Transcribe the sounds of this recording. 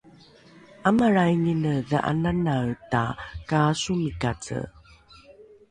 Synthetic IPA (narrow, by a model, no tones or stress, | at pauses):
amaɾajŋinəðaʔa̰nanaɭtakasumikat͡sə̰